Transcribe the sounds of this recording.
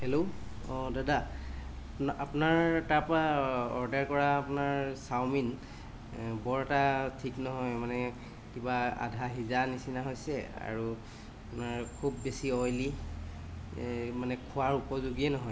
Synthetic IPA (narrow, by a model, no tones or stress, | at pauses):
hɛlo | ɔdada | apunaɹtapɔɹaɔɹdɛɹkɔɹaːpunaɹsawmin | bɔɹɛtatʰiknɔɦɔjmanɛ | kibaa̰dʱaɦizanisinaɦojsɛa̰ɹu | apunaɹkʰubːesiɔjli | manɛkʰʊwaɹupɔzuɡiɛnɔɦɔj